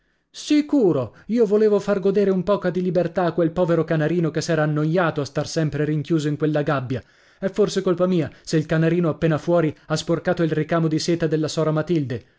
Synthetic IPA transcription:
sikuːɾoiːovoleːvofarɡod̪eːɾeumpɔːkad̪ilibert̪aːkːwelpɔːveɾokanaɾiːnokesːɛːɾaːnːojːaːt̪oast̪arsɛmpɾeɾiŋkjuːzoiŋkwelːaɡabːja | ɛfːorsekolpamiːaseilkanaɾiːnoapːeːnafwɔːɾiasporkaːt̪oilrikaːmod̪iseːt̪ad̪elːasɔːɾamat̪ild̪e

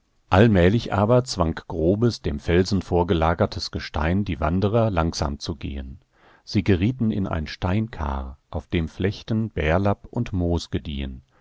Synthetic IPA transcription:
ʔalmɛːlɪçʔaːbɐt͡sv̥aŋkɡ̥ʁoːbəsd̥eːmfɛlzn̩foːɐɡəlaːɡɐtʰəsɡ̥əʃtʰa̰ɪndiːva̰ndəʁɐlaŋz̥a̰ːmt͡suɡḛːən | z̥iːɡəʁiːtn̩ɪ̰nʔa̰ɪnʃtaɪnkʰa̰ːʁʔaʊfd̥eːmflɛçtən̩b̥ɛːɐlapʊntmoːsɡ̥ədiːə̰n

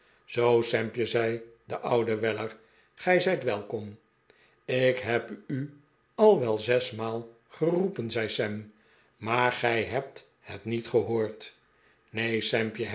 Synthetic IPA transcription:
z̥owsɛmpjəzɛjdəʔɑwdəʋɛləɹ | χɛjzɛjtʋɛlˠkɔm | ɪkɦɛpy | ɑlˠʋɛlˠzɛsmaːlˠ | χərupənzɛjsɛm | maːɹχɛjɦɛp̚t | hɛ̰tnitχəɦoːɹt | nejsɛmpjə

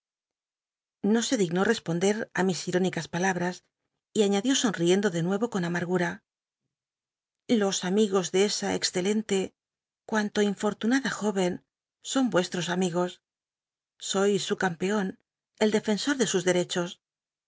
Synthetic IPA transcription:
no̞se̞ðiɣno̞re̞spo̞nd̪e̞ɾamisiɾo̞nikaspalaβɾas | iaɲaðjo̞so̞nrie̞nd̪o̞ðe̞nwe̞βo̞ko̞namaɾɣuɾa | lo̞samiɣo̞zðe̞esaḛksθe̞le̞nt̪e̞ | kwant̪o̞iɱfo̞ɾt̪unaðaxo̞βe̞n | so̞mbwe̞st̪ɾo̞samiɣ̞o̞sː | o̞jsːukampe̞o̞n | e̞ld̪e̞fe̞nso̞ɾðe̞suzðe̞ɾe̞t͡ʃo̞s

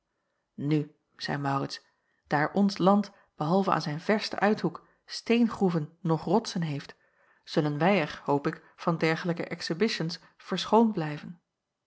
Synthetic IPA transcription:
ny | z̥ɛ̰jmɑwrɪts | d̥aːɹʔɔnslɑnt | b̥əɦɑlˠvəa̰ːnzɛjnv̥ɛɹstə̰ʔœɥtɦuk | stejnχruvənːɔχrɔtsənɦejft | z̥ɵlənʋɛjɛɹhowpɪk | fɑndɛɹχələkəʔɛksəbɪʃəns | fəɹsχownblɛjvən

